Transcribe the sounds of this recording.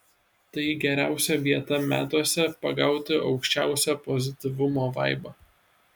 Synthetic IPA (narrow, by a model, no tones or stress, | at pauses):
t̪ɐɪɡʲɛɾʲæˑʊsʲɛʋʲiɛt̪ɐmʲæ̰ːt̪oɔsʲɛpɐɡɑˑʊt̪ʲɪʔɒʊkʃʲt͡ʃʲæˑʊsʲɛpɔzʲɪt̪ʲɪʋʊmoːʋɐɪbɐ